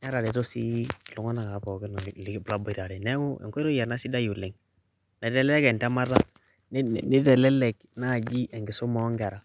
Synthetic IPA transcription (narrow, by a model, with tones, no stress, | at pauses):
na˦ɾa˨ɾe˨to˦si˦˨lu˨˦ŋɔ˦na˨ka˨˦pɔ˨ki˦nɔ˨lbla˦bɔ˦˨ta˨ɾɛ˨nɛ˦wu˦ḛ˨ŋkɾo˦ja˨na˦si˦da˦ju˨li˨ŋ | na˨dɛ˦lɛ˦kɛ˨nta˦ma˦ɾa˦ | n˦ni˦tɛ˨lɛ˦lɛ˨k | na˦˨d͡ʒi˦ʔɛ˨ŋɡi˨so˦mɔ˨˦ŋɡa˨ɾa˨